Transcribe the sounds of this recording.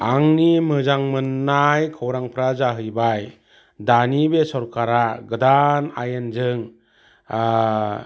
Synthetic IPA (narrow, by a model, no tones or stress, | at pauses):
aŋnimɯzaŋmɯnːajkʰawɾaŋpʰɾazaɦɯjbaj | danibesɔɾkʰaɾaɡɯdana̰jenzɯŋ